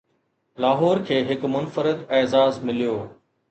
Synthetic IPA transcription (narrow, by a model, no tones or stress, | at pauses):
laːɦɔːɾkʰeːɦɪkmʊnfəɾɪd̪ɛːzaːzmɪlijoː